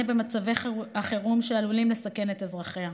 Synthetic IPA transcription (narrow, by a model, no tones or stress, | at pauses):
ebe̞mat͡saveaχeʁumʃealulimle̞sake̞net̪ezʁaχea